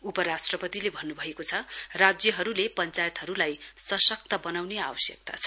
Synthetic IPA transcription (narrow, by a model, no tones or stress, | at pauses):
upʌɾasʈrʌpʌt̪ilebʱʌnːubʱʌekot͡sʰʌrad͡zjʌɦʌɾulepʌnt͡sajʌt̪ɦʌɾulajsʌsʌk̚t̪ʌbʌnawneabʌsjʌk̚t̪a̰t͡sʰʌ̥